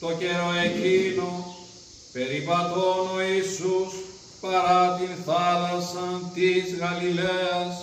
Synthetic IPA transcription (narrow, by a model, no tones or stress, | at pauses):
t̪oceɾoecino | pe̞ɾivɐt̪onoisus | pɐɾɐt̪inθɐlɐsɐnt̪izɣɐlileɐs